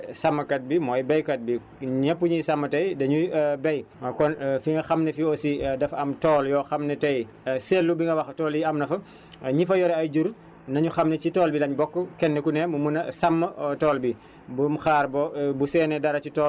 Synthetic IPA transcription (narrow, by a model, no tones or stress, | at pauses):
sɐmːɐkɐt̚bimɔːjbɛjkɐt̚bi | ɲɛpːuɲisɐmːɐtɐjdɐɲubɛjkɔnfiŋɡɐxɐmnɛfiɔsidɐfɐmtɔːljɔːxɐmnɛtɐj | sɛlːubiŋɡɐwɐxtɔːljiɐmnɐfɐ | ɲifɐjɔɾɛɐjd͡ʒuɾ | nɐɲuxɐmnɛcitɔːlbilɐɲbɔkːəkɛnːɛkunɛmumunɐsɐmːɐtɔːlbi | bumxaːɾbɔbusɛːnɛdɐɾɐcitɔː